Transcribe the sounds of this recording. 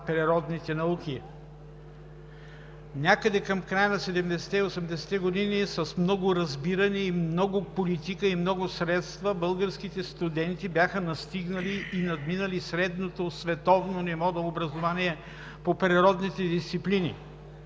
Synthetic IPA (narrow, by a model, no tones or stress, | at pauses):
pɾiɾɔd̪nit̪ɛnɐukʲi | nʲakəd̪ɛkɐmkɾajənɐsɛd̪ɛmd̪ɛsɛ̥t̪ɛiosɛmd̪ɛsɛ̥t̪ɛɡod̪inisɐsmnɔɡʊɾɐzbiɾɐnɛimnɔɡʊpolit̪ikəimnɔɡʊsɾɛt̪st̪vɐbəlˠɡəɾskit̪ɛst̪ud̪ɛnt̪ibʲjaxənɐst̪iɡnəliːnɐd̪minəlisɾɛd̪not̪osvɛt̪ɔvnonɛvɔd̪ɐobɾɐzovaniɛ | popɾiɾɔd̪nit̪ɛd̪ist̪siplinḭ